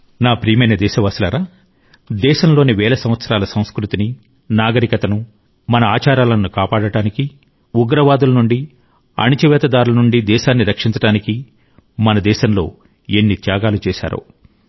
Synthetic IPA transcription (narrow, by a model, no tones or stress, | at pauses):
naːpɾiːmɐjnɐd̪ɛːʃɐʋaːslɐ̰ɾaː | d̪ɛːʃɐmlo̞ːniʋɛːlɐsɐ̃m̃ʋɐt̪sɐɾaːlɐsɐ̃w̃skɾut̪ini | naːɡɐɾikɐt̪ɐnu | mɐnɐaːt͡ʃaːɾaːlɐnːukaːpaːɽɐɽaːniki | uɡɾɐʋaːd̪ulɐnuɳɖi | ɐ̰nit͡ʃɐʋɛːt̪ɐd̪aːɾulɐnuɳɖid̪ɛːʃaːnːiɾɐkʂint͡ʃɐɽaːniki | mɐnɐd̪ɛːʃɐmlo̞̰ː | enːit̪jaːɡaːlut͡ʃɛːʃa̰ːɾo̰ː